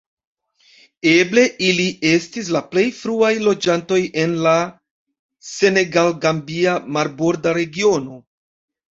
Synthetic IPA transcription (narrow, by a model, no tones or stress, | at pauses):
e̞ble̞ʔiliʔe̞stis̬laple̞jfɾuajlo̞d͡ʒanto̞je̞nla | se̞ne̞ɡalɡambiamaɾbo̞ɾdaɾe̞ɡio̞no̞